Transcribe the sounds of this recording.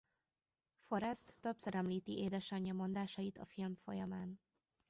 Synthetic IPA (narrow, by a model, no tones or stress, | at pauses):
fo̞ɾɛst̪ːøpsɛɾɛmliːt̪iʔeːd̪ɛʃɒɲːɒmo̞nd̪aːʃɒjit̪ɒ̰filmfo̞̰jɒmaːn